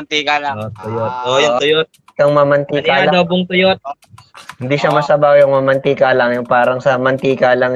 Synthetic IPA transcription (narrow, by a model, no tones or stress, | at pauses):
nt̪ikalaot̪ʊjot̪̚ojʊʊjot̪̚ | kɐŋmɐmɐnt̪ikald̪obʊŋt̪ʊjot̪̚ | hɪnd̪iːʃɐmɐsɐbajʊŋmɐmɐnt̪ikalɐŋjʊŋpaːɾɐŋsɐmɐnt̪iːkaːlɐŋ